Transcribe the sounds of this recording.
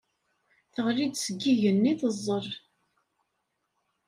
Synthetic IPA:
θəʁɾid̪səɡːiʝənːiθəzˤːəɾˤ

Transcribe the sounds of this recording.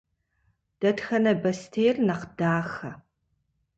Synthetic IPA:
d̥ɐtxɐnɐbɐstʰeːjrnɐqdaːxɐ

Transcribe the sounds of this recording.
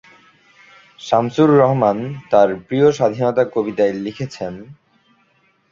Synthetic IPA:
ʃamsuɾːɔɦmant̪aɾpɾioʃad̪ʱinɔt̪akobit̪aelikʰet͡ɕʰen

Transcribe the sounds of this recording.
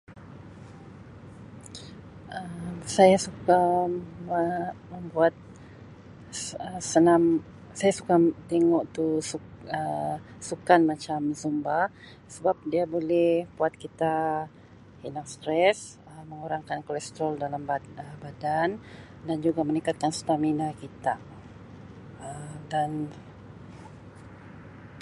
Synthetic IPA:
ʔəsajasukaməməmbuat̪̚ | əsənam | sajasukat̪eŋɔʔt̪usuəsukanmat͡ʃamzumba | səbap̚diabolɛhbuat̪̚kit̪a | hinaŋst̪ɾɛs | əməŋuɾaŋkankolɛst̪ɾɔldalambat̪̚əbadan | dand͡ʒuɡamənikat̪̚kansu̥t̪aminakit̪a | ədan

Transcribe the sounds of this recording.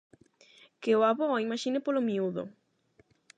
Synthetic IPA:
keoaβɔimaʃinɪpolomiuðo̰

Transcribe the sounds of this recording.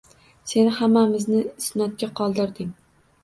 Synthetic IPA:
se̞nɪhamːamɪznɪɪsnɒt̪̚ɡʲaqʰɒlˠd̪ɪɾd̪ɪŋ

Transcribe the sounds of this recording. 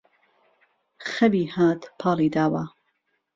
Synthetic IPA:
xɐbiːhaːt̪pʰɑːliːd̪aːwa

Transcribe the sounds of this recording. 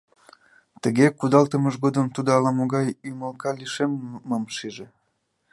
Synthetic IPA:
t̪əɣekud̪ɑlt̪əməʒɣod̪əmt̪ud̪oɑlɑmoɣɑjyməlkɑliʃemːəmʃiʒe

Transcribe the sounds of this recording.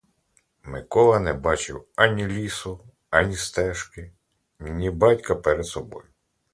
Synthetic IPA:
mɪkɔlˠɐnɛbɑt͡ʃɪwɑnʲilʲisʊ | ɑnʲist̪ɛʃkɪ | nʲibɑtʲkɐpɛɾed̪sɔbɔjʊ

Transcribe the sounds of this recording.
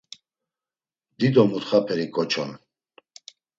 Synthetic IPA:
d̪id̪ɔmut̪χapʰɛɾikʼɔt͡ʃʰɔ̰n

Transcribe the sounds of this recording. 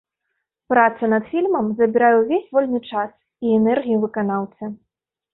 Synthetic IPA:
pɾat̪sɐnɐt̪fʲilʲmɐmzɐbʲiɾajɛwvʲesʲvɔlʲnɨt͡ʂas | iɛnɛrɣʲijuvɨkanawtsʲɐ

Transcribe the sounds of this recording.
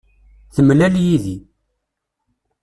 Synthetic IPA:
θəmlæljiði

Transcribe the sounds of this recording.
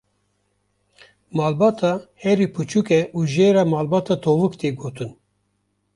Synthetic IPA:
mɑːlbɑːt̪ʰɑhɛɾipʰɨt͡ʃʰukɛʔuːʒeːɾaːmaːlbɑːt̪ɑːt̪ʰoːvɨkt̪eːɡoːt̪ʰɨn

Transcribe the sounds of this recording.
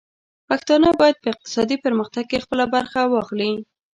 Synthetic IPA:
paxt̪ɑnabɑjad̪̚pəɪq̚t̪ɪ̥sɑd̪ipəɾməxt̪aɡ̚kexpəlabaɾxawɑxli

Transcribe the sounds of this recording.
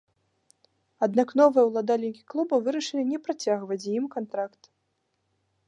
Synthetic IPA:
ad̪nakn̪ɔvɨjɛwlˠad̪alʲnʲikʲiklˠubɐvɨɾɐʂɨlʲinʲɛpɾat͡sʲaɣvɐt͡sʲjimkant̪ɾakt̪

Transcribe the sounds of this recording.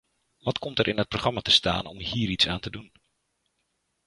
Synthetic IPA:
ʋɔtkɔmtərʔɪnət̚proxχrɑmatəsta̰ːnɔ̰mhiːəɾitsaːntədun

